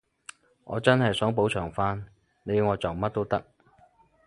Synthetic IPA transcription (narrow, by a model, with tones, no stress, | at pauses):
ŋɔ̰ː˨˧t͡sɐ˥nɦɐ˨jsœː˨˥ŋp̬o˨˥wt͡ʃʰœː˨˩ŋfaː˥n | ne˨˧jŋɔː˨˧t͡sɐ˨wmɐ˥t̚t̪o˥wt̪ɐ˥k̚